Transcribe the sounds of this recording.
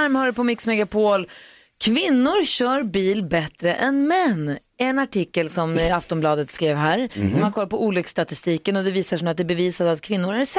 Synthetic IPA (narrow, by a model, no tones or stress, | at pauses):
aɾmhœːɾəpʰɔmɪksmɛɡapʰoːl | kʰvɪnːʊɾɕœːɾbiːlbɛt̪ɾəʔɛnmɛnː | ɛnaʈʰɪkːəlsɔmaft̪ɔmblɑːd̪ət̪skɾeːvɦæːɾɔmankʰɔlːaɾpʰɔuːlʏkst̪at̪ɪst̪iːkənɔd̪ɛviːsaʂɔmat̪̚d̪ɛbɛviːsad̪at̪̚kʰvɪnːʊɾæɾs